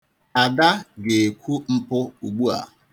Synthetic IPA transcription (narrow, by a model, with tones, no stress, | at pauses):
a˨da˦ɡe˨e˨kʷu˦m̩˦pʊ˦u˨ɡ͡bu˦a̰˨